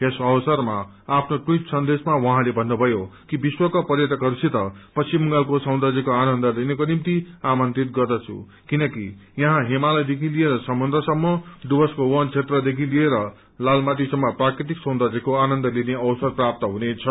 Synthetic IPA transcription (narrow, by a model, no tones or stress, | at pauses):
esʌwsʌrmaː | pʰnoʈujʈsʌnd̪esmawʌ̃ɦãlebʱʌnːubʱʌjokibiswʌkapʌrjʌt̪ʌkɦʌɾusʰit̪ʌpʌsimuŋɡalkosʌ̃w̃nd̪ad͡zikoanʌnd̪ʌlinekonimt̪iamʌnt̪rit̪̚ɡʌrd̪ʌt͡sʰṵ | kinʌkijʌɦãɦemalʌjd̪ekʰilieɾʌsʌmʌnd̪ɾʌsʌmːʌɖubʌskowʌnt͡sʰet̪rʌd̪ekʰilieɾʌ | lalmat̪̬isʌmːʌprakɾit̪̬iksʌ̃w̃d̪ad͡zikoanʌnd̪ʌlineʌwsʌrprap̚t̪ʌɦunet͡sʰʌ